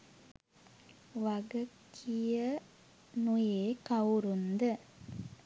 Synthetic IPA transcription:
ʋɐɡɐkʰːijə | nujeːkɐwɾund̪ɨ

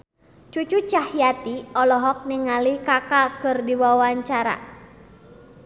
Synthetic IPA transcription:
t͡ʃut͡ʃut͡ʃahjat̪iɔlɔɦɔk̚niŋalihkakakɨrdiwawaɲt͡ʃaɾa̰

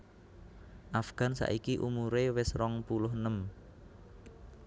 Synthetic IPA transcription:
ʔafɡ̥a̤nsa̰ʔikiʔumuɾewɪsrɔŋpulʊhnəm

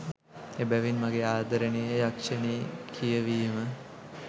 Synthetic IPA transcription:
ebæʋinmaɡeaːd̪ɐɾənejeɾakʂɐneːkʰijəʋiːmə

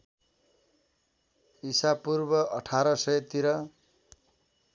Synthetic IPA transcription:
isapurbʌʔʌʈʰaɾʌsʌjet̪iɾʌ

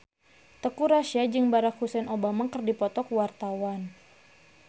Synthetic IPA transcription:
t̪əkuɾaʃiad͡ʒɨŋbaɾak̚husɛnʔobamakərdipɔt̪ɔkwart̪awan

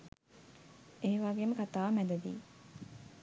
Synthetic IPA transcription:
eːʋaɡeːməkat̪aːʋmæd̪ɐd̪ḭː

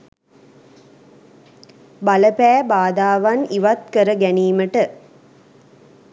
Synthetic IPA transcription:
baləpæːbaːd̪aːʋaniʋat̪kəɾəɡæniːməʈə

